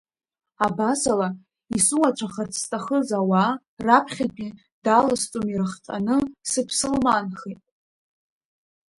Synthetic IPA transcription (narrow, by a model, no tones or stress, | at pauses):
abasala | isuwat͡ʃʷʰaχart͡sʰstʼaχəzawa | rapʰχʲakʰʼi | d̥alast͡sʼomirɨχtʼa̰nɨsɨpʰsɨlmanχetʼ